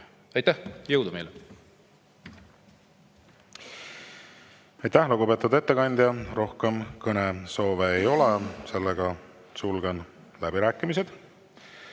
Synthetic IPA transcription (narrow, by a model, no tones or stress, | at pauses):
ɑjt̪ːæhjɤwd̪umejle | ɑjt̪ːæhluɡ̥upe̞ːt̪ːˑud̪e̞t̪ːe̞kɑnʲd̪̥ʲjɑɾo̞hkemkɤneso̞ːveːjo̞lese̞lːeɡ̥ɑ | sulɡ̥en | læbiɾæːkːˑimised̪̥